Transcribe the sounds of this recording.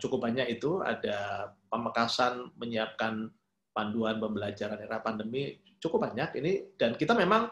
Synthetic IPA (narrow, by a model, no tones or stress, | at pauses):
t͡ʃukʊp̚baɲakit̪ua̰dapəməkasanməɲiap̚kan | panduanpəmbəlad͡ʒaɾaneɾahpandəmi | t͡ʃukʊp̚baɲakinid̥ankit̪amemaŋ